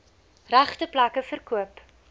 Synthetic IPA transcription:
ræχtəplɐkəfərkuəp

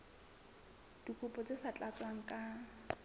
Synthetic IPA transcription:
d̥ikʼupʼɔt͡sʼesat͡ɬʼat͡sʼwaŋ̩kʼa

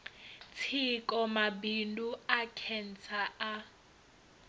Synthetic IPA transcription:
t͡sʰikʼɔmabinduakʰɛnt͡sʰaʔa

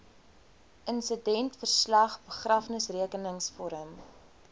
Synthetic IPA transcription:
ʔənsədɛntfərslɐχbəχrɐfnəsriəkənəŋsfɔɾəm

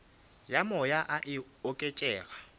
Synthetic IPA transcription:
jamɔjaʔaʔɪ | ɔkʼet͡ʃʼɛːɣa

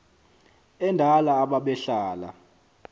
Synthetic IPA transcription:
ɛndʱalaːɓaɓɛɬaːla̰

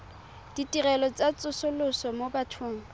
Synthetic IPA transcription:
d̥itʼirɛlɔt͡sʼat͡sʼʊsʊlʊsɔmobatʰoːŋ̩

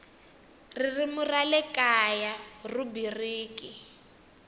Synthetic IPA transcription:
ririmuralɛkajarubiriːkʼi

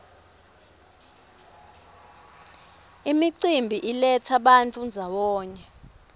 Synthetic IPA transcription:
imiǀimbʱiʔilɛt͡sʰaɓant͡fʰʼund͡zʱawɔːɲɛ

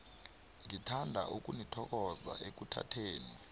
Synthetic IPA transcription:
ŋitʰandʱaʔuk̬ʼunitʰɔk̬ɔza̰ʔek̬utʰa̰tʰeːni

